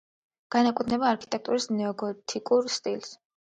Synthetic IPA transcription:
ɡ̥anakʼwɛt̪ʰnɛbaːɾkʰi̥t̪ʼɛk̚t̪ʼuɾisnɛɔɡɔt̪ʰikʼuɾst̪ʼils

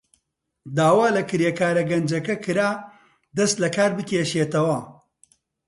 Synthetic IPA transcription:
d̪aːwaːlɐkɨɾjekaːɾɐɡɐnd͡ʒɐkɐkɨɾaː | d̪ɐst̪lɐkaːɾbɨkʲeːʃeːt̪ɐwɐ

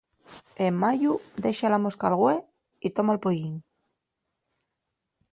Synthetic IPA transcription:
emːaʝuðe̞ʃalamoskalɣwe | it̪omalpojiɲ

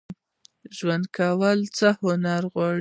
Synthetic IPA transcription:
ʒwand̪kʰawəlt͡səhʊnaɾɣwɑ

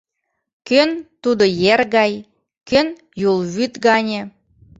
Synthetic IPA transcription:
kønt̪ud̪ojerɣɑj | køn | julˠβyt̪ɡɑnʲe

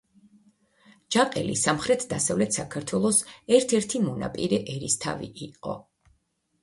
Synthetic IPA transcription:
d͡ʒaqʼɛlḭsamχɾɛt̪ʰd̪asavlɛt̪ʰsakʰaɾt̪ʰwɛlˠɔsɛɾt̪ʰɛɾt̪ʰimɔna̰pʼḭɾɛʔɛɾist̪ʰa̰vḭʔiqʼɔ̰

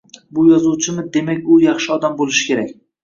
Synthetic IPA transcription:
bʊjɒzuwt͡ʃʰɪmɪd̪e̞makʲʊjɑχʃɪɒd̪ambolɪʃɪ̥kʲʰe̞ɾakʲ

